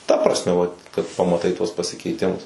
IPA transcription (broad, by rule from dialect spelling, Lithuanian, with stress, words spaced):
tɐ prɐsʲˈmʲɛ ʋɐ kɐt pɐmɐˈtɐɪ tuɔs pɐsʲɪkʲɛɪˈtʲɪmʊs